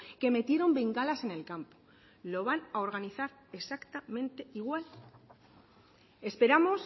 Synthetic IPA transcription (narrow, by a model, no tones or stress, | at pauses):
ke̞me̞t̪je̞ɾo̞mbiŋɡalase̞ne̞lkampo̥ | lo̞βanaoɾɣ̞aniθaɾ | e̞sakt̪amẽ̞nt̪e̞iɣwal | espe̞ɾamo̞s